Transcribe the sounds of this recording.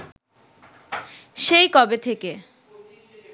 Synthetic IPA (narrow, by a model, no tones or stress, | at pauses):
ʃejkɔbet̪ʰeke